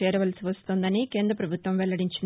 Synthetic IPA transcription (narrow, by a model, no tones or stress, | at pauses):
ɛːɾɐʋɐlsiʋɐst̪oːnd̪ɐnike̞ːnd̪ɾɐpɾɐbʱut̪ʋɐmʋɛɭːɐɽiɲt͡ʃin